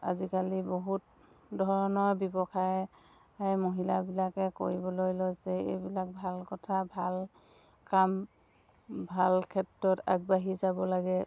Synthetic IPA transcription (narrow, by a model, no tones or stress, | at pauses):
a̰zikaliboɦut̚ | dʱɔɹɔnɔɹbɔbɔkʰaj | ajmoɦilabilakɛko̰ɹibɔlojlojsɛḛjbilak̚bʱalkɔtʰabʱal | kam | bʱalkʰɛtɹɔta̰ɡ̚baɦizabɔlaɡɛ